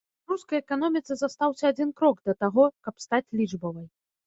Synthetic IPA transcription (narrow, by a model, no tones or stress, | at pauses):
ruskɐjɛkanɔmʲit̪sɐzɐst̪awsʲɐad͡zʲinkɾɔɡd̪ɐt̪aɣɔkɐpst̪at͡sʲlʲid͡ʐbɔvɐj